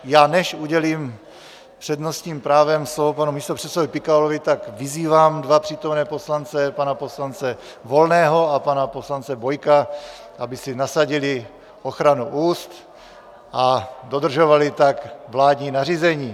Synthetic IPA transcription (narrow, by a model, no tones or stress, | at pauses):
jaːnɛʃuɟɛliːm | pr̝̥ɛdno̞st̪ɲiːmpɾaːvɛmslovopanumiːst̪opr̥ɛsovɪpɪkaolovɪt̪akvɪziːvaːmdvapr̝̥iːt̪o̞mnɛːpo̞slant͡sɛpanapo̞slant͡sɛ | vo̞lnɛːɦo̞apanapo̞slant͡sɛvo̞jka | ʔabɪsɪnasaɟɪlɪ | o̞xɾanuʔuːst̪ | ʔado̞d̪r̩ʒovalɪt̪akvlaːd̪ɲiːnariːzɛɲiː